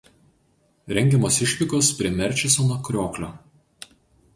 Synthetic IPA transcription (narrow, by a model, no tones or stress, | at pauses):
ɾʲɛŋʲɡʲɛmoːsɪʃʲʋʲɪkoːspʲɾʲiɛmʲɛɾʲt͡ʃʲɪsonokɾʲoːklʲoː